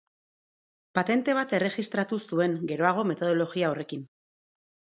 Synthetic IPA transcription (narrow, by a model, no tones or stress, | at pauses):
pat̪e̞nt̪e̞β̞at̪e̞re̞ʝist̪ɾat̪usue̞ŋɡe̞ɾo̞aɣ̞o̞me̞t̪o̞ð̞o̞lo̞ɣiao̞re̞kin